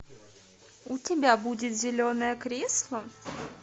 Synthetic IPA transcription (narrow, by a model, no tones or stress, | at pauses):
utʲɪbʲabudʲɪt̪zʲɪlʲonəjəkɾʲeslˠə